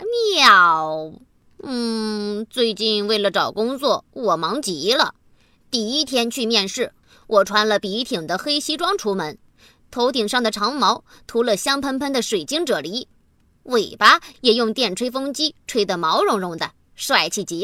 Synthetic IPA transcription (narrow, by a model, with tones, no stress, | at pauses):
ɑ˨˩ʊ | n̩˥˩t͡swe˥˧ɪt͡ɕi˥˧nwe˥˩ɪlə˩ʈ͡ʂɑ˨˩ʊkʊ˥ŋt͡swɔ˥˩wɔ˨˩mɑ˧˥ŋt͡ɕi˨˧˥lə˨ | t̪i˥˩i˥t̪ʰjɛ˥nt͡ɕʰy˥˧mjɛ˥˧nʂɻ̩˥˩ | wʔɔ˨˩ʈ͡ʂʰwa˧˥nlə˧pi˧˥t̪ʰi˨˩ŋd̪ə˦xe˥ɪɕi˥ʈ͡ʂwɑ˥ŋʈ͡ʂʰu˧˥mə˧˥n | t̪ʰo˧˥ʊt̪i˨˩ŋʂɑ˥˩ŋd̪ə˩ʈ͡ʂʰɑ˧˥ŋmɑ˧˥ʊt̪ʰu˧˥lə˧ɕjɑ˥ŋpʰə˥npʰə˥nd̪ə˨ʂwe˨˩ɪt͡ɕi˥ŋʈ͡ʂɤ˨˩li˧˥ | we˨˩ɪpa˥jɛ˨˩jʊ˥˧ŋt̪jɛ˥˩nʈ͡ʂʰwe˥ɪfɤ˥ŋt͡ɕi˥ʈ͡ʂʰwe˥ɪd̪ə˨mɑ˧˥ʊɻʊ˧˥ŋɻʊ˧˩ŋd̪ə˩ | ʂwa˥˩ɪt͡ɕʰi˥˩t͡ɕi˧˥